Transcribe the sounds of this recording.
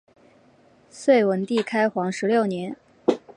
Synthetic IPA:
swe˥˩ɪwə˧˥nt̪i˥˩kʰa˥ɪxwɑ˧˥ŋʂɻ̩˧˥ljo˥˩ʊnjɛ˧˥n

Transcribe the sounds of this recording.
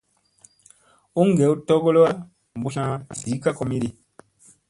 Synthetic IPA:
u˦ŋ˦˨ɡɛ˨˦u˦tɔ˦ɡo˦lo˦wa˦ | m̩˨bu˨˦sã˦si˨˦ka˦kɔ˨mi˦ɾi˨

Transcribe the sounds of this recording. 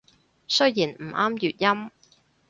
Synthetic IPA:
sɵ˥ɥjiː˨˩nm̩˨˩aː˥mjyː˨t̚jɐ˥m

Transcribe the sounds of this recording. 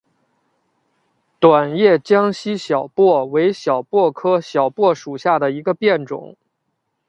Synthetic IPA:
t̪wa˨˩njɛ˥˩t͡ɕjɑ˥ŋɕi˥ɕjɑ˨˩ʊpwɔ˥˩we˧˥ɪɕjɑ˨˩ʊpwɔ˥˩kʰɤ˥ɕjɑ˨˩ʊpwɔ˥˩ʂu˨˩ɕja˥˩d̪ə˩i˧˥ɡə˧pjɛ˥˩nʈ͡ʂʊ̰˨˩˦ŋ

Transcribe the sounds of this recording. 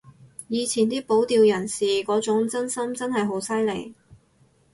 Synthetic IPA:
jiː˨˧t͡sʰiː˨˩nt̪iː˥po˨˥wt̪iː˧wjɐ˨˩nsiː˨kɔː˨˥t͡sʊ˨˥ŋt͡sɐ˥nsɐ˥mt͡sɐ˥nɦɐ˨jɦo˨˥wsɐ˥jlḛ˨˩j

